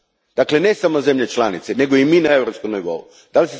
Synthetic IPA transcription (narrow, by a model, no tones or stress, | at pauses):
d̪̥akle̞ne̞samozemʎet͡ʃlanit̪sene̞ɡoiminaevɾopskumniʋo̰ṵ | d̪̥alise